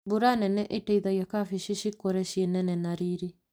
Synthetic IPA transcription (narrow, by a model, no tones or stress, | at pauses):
buɾanɛnɛʔetɛiðajakafiʃiʃikoɾɛʃiɛnɛnɛnaɾiɾi